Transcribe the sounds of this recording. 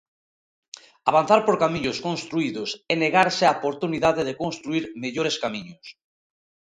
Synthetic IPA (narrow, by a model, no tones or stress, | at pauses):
aβ̞anθaɾpoɾkamiɲʊskonst̪ɾuiðʊsɛneɣaɾseaopoɾt̪uniðaðeðekonst̪ɾuiɾmeʎoɾeskamiɲʊs